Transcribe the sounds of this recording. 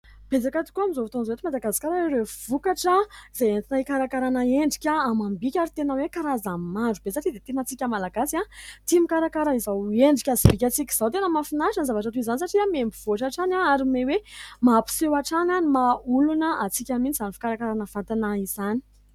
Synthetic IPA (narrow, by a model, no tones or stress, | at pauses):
b̥ed͡zakat̪i̥kuamizovut̪onzoet̪imad̪aɡazi̥kaɾaeɾev̥ukaʈ͡ʂəizajent̪inaikaɾakaɾanaeɳɖ͡ʐikʲaːmambikʲaɾit̪enəwekaɾazammaɳɖ͡ʐub̥es̬aʈ͡ʂid̪et̪enat͡sikʲəmalaɡ̥asiat̪imikaɾakaɾaizaweɳɖ͡ʐikʲazibikʲat͡sikʲi̥z̥awt̪enəmafinaʃənzavaʈ͡ʂat̪uizanisaʈ͡ʂiamembiv̥oʈ͡ʂaʈ͡ʂanaaɾimewemapi̥sewaʈ͡ʂananimaulunəʔat͡sikʲamit͡sizanifi̥kaɾakaɾanəv̥ant̪anaiz̥ani̥